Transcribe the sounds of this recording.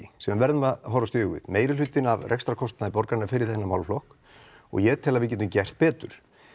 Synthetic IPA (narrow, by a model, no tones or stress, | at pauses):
ɪsɛmavɛɾðʏmaðɦɔɾast̪jʏːɣɪ̰ðmeːjɾɪlʏt̪ːɪnavrɛkst̪ɾakʰɔst̪naðɪpɔɾkaɾnːaɾfɪːɾɪɾ̥θɛnːamawlflɔhk | ɔ̰ɣjɛt̪ʰɛːlavɪðcɛːt̪ʏmcɛr̥t̪̚pɛːt̪ʏ̰ɾ̥